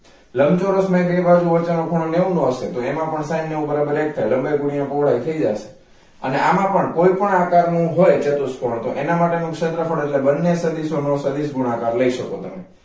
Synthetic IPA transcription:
ləmt͡ʃoɾosməjɡʱɾibad͡ʒuʋət͡ʃanokʰoɽ̃oneũnõəʃet̪oemãpəɳsanːeũbəɾabəɾek̚t̪ʰajlə̃mbejɡuɽ̃ijõpoʋɭajt̪ʰəid͡ʒaʃe̥ | ə̰neamãpəɳkoipəɳakaɾnũɦojt͡ʃet̪uskʰoɽ̃õt̪oʔenamaʈenũkʃət̪ɾəfʰəɽ̃eʈlebənːesəd̪isonõsəd̪isɡʱuɽ̃akaɾləiʃəkot̪əme

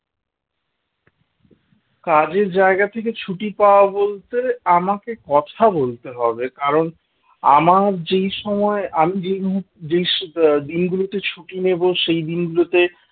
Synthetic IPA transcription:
kad͡ʑeɾd͡ʑaeɡat̪ʰeket͡ɕʰuʈipaoabolt̪eamakekɔt̪ʰabolt̪eɦɔbekaɾon | amaɾd͡ʑejʃɔmɔeamid͡ʑejmuɦuʈd͡ʑejʃd̪inɡulot̪et͡ɕʰuʈineboʃejd̪inɡulot̪e

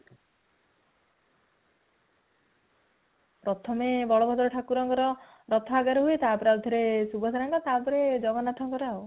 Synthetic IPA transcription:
pɾɔt̪ʰɔmebɔɭɔbʱɔd̪ɔɾɔʈʰakuɾɔŋɡɔɾɔ | ɾɔt̪ʰɔaɡaɾɔɦuet̪aːpɔɾeaut̪ʰɔɾesubɔsaɾaŋkɔt̪aːpɔɾed͡ʒɔɡɔnat̪ʰɔŋkɔɾaw

